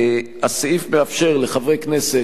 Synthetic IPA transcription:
haseifmeafʃe̞ʁleχavʁejknese

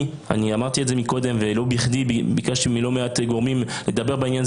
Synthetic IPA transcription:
a̰niamaʁt̪ietzemiko̞d̪e̞mvelo̞biχd̪ibbikaʃimilo̞meat̪ɡoʁmimled̪abe̞ʁbainjan

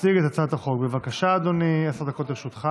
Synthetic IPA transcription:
siɡet̪at͡sat̪aχo̞kbevakaʃaːd̪oniasʁd̪ako̞t̪iʃut̪χa

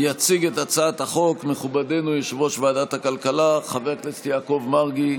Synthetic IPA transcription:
jat͡siɡetat͡saːt̪haχo̞kmeχubade̞nujeʃvoʃvaːdathakalkalaχaveklet͡st̪iako̞vmaʁɡi

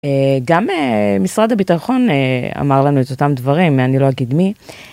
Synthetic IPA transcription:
eɡamemisʁad̪abit̪aχo̞nea̰maʁlanuet̪ot̪amd̪vaʁimeanilo̞aɡid̪mi

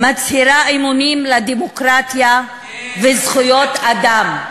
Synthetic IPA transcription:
mat͡shiɾaemunimlad̪emokɾat̪ja | vezχujot̪ad̪am

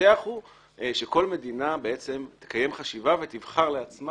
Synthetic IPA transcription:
eaχu | ʃe̞ko̞lme̞d̪inabe̞e̞t͡se̞mt̪e̥kaje̞mχaʃivave̞t̪ivχaʁleat͡sma

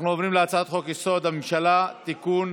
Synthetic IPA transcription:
nuavʁimleat͡saat̪χo̞kjiso̞d̪hamemʃalat̪ikun

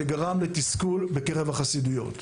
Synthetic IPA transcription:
eɡaʁamletiskulbekeʁe̞vaχasidujo̞̰t̪

